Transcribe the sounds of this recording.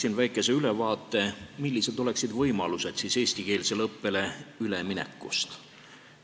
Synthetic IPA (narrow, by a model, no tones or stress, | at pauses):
sinvæjkˑːe̞se̞yle̞vɑːt̪ːˑe̞milːise̞d̪o̞le̞ksid̪vɤjmɑluse̞d̪̥sise̞ːsʲt̪ike̞ːlselɤpːe̞le̞yleminḛkːˑṵst̪